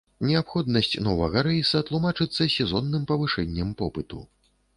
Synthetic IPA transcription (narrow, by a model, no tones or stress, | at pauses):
nʲɛapxɔd̪nɐsʲt͡sʲnɔvɐɣɐɾɛjsɐt̪lˠumat͡ʂɨt̪sːɐsʲɛzɔnːɨmpɐvɨʂɛnʲːɐmpɔpɨt̪ṵ